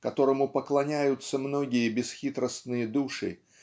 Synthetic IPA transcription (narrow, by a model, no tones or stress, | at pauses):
kɐt̪o̞ɾəmʊpəklˠɐnʲæjʊt̪sːəmnoɡʲɪjəbʲɪsxʲit̪ɾəst̪nɨjəd̪uʂɨ̰